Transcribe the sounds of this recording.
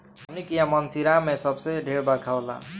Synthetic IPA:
ɦʌmnikijãmənsiɾamesʌbseɖʱeɾbəkʰaola̰

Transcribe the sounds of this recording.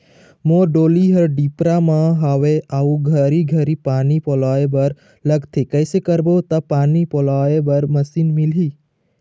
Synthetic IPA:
moɾɖoliɦəɾɖipɾamãɦaʋeʔaũɡʱəɾiɡʱəɾipanipolaebəɾ | ləɡt̪ʰekəjsekəɾbot̪apaːnipolaebəɾməsinmilɦi

